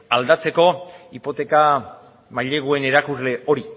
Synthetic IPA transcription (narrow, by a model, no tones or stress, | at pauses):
ald̪at͡se̞ko̞ipo̞t̪e̞ka | maʎe̞ɣ̞ue̞ne̞ɾakuzle̞o̞ɾi